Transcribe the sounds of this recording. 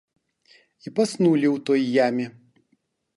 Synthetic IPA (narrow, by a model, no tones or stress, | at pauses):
ipɐsnuːlʲiʊt̪ojijæːmʲɪ